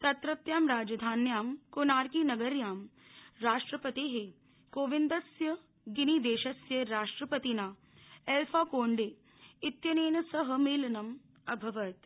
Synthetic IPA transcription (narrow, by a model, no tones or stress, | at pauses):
t̪ɐt̪ɾɐt̪jaːmɾaːd͡ʒɐd̪ʱaːnjaːmkonaːɾkiːnɐɡɐɾjaːm | ɾaːʂʈɾɐpɐt̪iːɦe | koːʋind̪ɐsjɐ | ɡinid̪eːʃɐsjɐɾaːʂʈɾɐpɐt̪inaː | elfʰaːkoːɳɖeː | it̪jɐneːnɐsɐɦɐmeːlɐnɐm | ɐbʱɐʋɐt̪